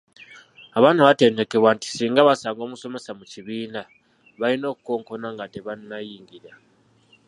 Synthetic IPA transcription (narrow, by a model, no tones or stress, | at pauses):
aβaːnaβate̞ːnde̞ke̞βwanti̥siːŋɡaβasaːŋɡo̞ːmuso̞me̞samuciβiːna | βaɾino̞ːkuko̞ːŋko̞naŋɡateβannajiːŋɡiɾa